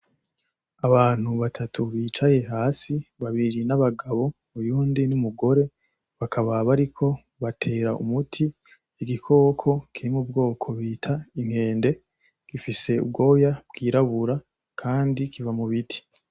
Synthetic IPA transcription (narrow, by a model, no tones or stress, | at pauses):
aβaːn̥huβatʰatʰuβiːt͡ʃaje̞ɦaːsiβaβiɾinaβaɡaβo̞βujuːndinumuɡo̞ɾe̞ | βakʰaβaβaɾikʰo̞ | βatʰe̞ːɾaʔṵmutʰiː | ɡikʰo̞ːkʰo̞kʰiɾimubɡo̞ːkʰo̞βiːtʰaiŋ̥he̞ːnde̞ | ɡ̥ifise̞ṵb̚ɡo̞ːjab̥ɡ̥iːɾaβuɾa | kʰaːndikivamuβitʰi̥